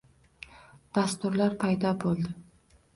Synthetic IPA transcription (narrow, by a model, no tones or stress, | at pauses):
d̪̥ast̪ʊɾlaɾpʰajd̪ɒbolˠd̪ɪ